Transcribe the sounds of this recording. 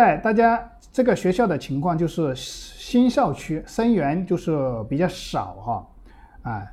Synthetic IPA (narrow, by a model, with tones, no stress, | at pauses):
a˥˧˩ɪt̪a˥˩t͡ɕja˥ | ʈ͡ʂɤ˥˩ɡə˩ɕɥɛ˧˥ɕjɑ˥˩ʊd̪ə˩t͡ɕʰi˧˥ŋkʰwɑ˥˧ŋt͡ɕjo˥˧ʊʂɻ̩˥˩ɕi˥nɕjɑ˥˩ʊt͡ɕʰy˥ʂə˥nɥɛ˧˥nt͡ɕjo˥˧ʊʂɻ̩˥˩pi˨˩t͡ɕjɑ˥˩ʊʂɑ̰˨˩˦ʊxɐ˥˧ | a˥˩